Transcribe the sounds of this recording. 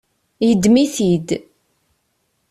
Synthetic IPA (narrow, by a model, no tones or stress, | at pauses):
jəd̪miθid̪